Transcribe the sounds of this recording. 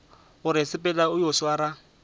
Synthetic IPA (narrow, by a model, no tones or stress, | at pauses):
ɣʊɾɪsɪpʼɛlaʊjoswaɾa